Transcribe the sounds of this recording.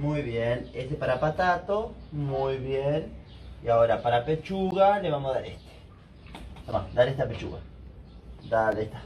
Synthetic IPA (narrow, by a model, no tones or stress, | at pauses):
mujβjenesepaɾapat̪at̪omujβjen | iaoɾapaɾapet͡ʃuɣaleβamoðaɾest̪e̥ | sama̰d̪aɾest̪apet͡ʃṵɣa | d̪alest̪ḁ